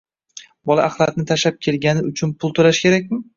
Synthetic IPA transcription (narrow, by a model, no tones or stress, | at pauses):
bɒlˠaʔːχlˠat̪̚nɪt̪ʰaʃap̚kʲʰe̞lɡʲanɪʊt͡ʃʰʊnpʰʊlˠt̪ʰolaʃkʲʰe̞ɾak̚ʲmɪ